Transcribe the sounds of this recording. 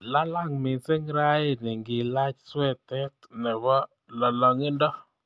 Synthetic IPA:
la˦la˦˨ŋmɪ˨se˦ŋɾa˦e˦˨nɪ˨ŋɡɪ˨la˦t͡ʃswɛ˦˨t̪ɛ˦tnɛ˨ɡɔ˦ | lɔ˨lɔ˨ŋɪ˦ndɔ˦

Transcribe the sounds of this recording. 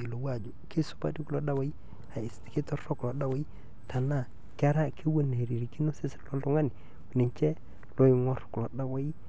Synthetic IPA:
i˨lo˨wa˨d͡ʒo˨ke˦su̥˦pa̰˦ti˦ku˦lo˨da˦wa˦i˦ | a˨i˨sti̥˨ke˦tɔ˦ɾɔ˦klɔ˨da˦wa˦i˦ | ta˨na˦˨ | ka˦ɾa˦ki˦wo˦ne˨ɾi˨ɾi˨ki˦no˦se˦slo˦tʊ˦ŋa˦ni˨ | ni˨ɲt͡ʃɛ˦ | lo˦i˨ŋɔ˦ɾklɔ˨da˦wa˦i˦

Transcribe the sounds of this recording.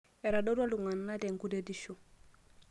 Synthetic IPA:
e˨ɾado˦du˦a˦lu˨ŋa˨nːade˨ŋkudediʃu˨

